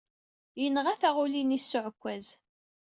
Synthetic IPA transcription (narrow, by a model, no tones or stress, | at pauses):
jənəʁæθæʁulinisːʊʕəkʷːæz